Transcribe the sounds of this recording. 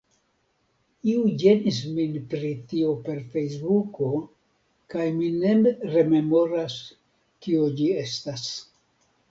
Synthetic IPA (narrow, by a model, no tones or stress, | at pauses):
iud͡ʒe̞nis̬minpɾitio̞pe̞ɾfe̞js̬buko̞ | kajmine̞mɾe̞me̞mo̞ɾas | kiod͡ʒie̞stas